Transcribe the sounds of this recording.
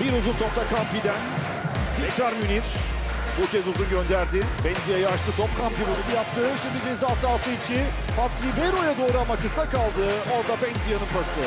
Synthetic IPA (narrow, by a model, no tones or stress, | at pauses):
biɾuzunt̪ʰo̞pt̪ʰakʰampid̪æn | t̪ʰiɛk̚t̪ɾaɾmyniɾ | bucʰɛzuzunɟø̞nd̪æɾd̪ɪbɛnsijajaaʃt̪ɯt̪ʰopkʰampibusɯjap̚t̪ʰɯːʃimd̪id͡ʒezaːsaːsɯit͡ʃʰi | pasɾibeɾo̞jad̪o̞ːɾuamakɯsakalˠd̪ɯo̞ɾd̪abɛnsijanɯnpʰasɯ